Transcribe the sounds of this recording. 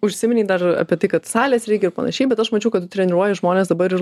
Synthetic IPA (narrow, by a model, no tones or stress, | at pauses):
ʊʃʲsʲɪmʲɪnʲiːd̪ɐrɐ̰ːpʲiɛt̪ɐɪkɐt̪sɑːlʲeːsɾʲɛɪkʲɛɪɾrpɐ̰nɐ̰ʃʲɛɪbʲɛt̪ɐʃmɐt͡ʃʲɛʊkɐt̪ʊt̪ʲɾʲɛnʲɪɾuɔjɛʒmoːnʲeːsd̪ɐbɐɾɪr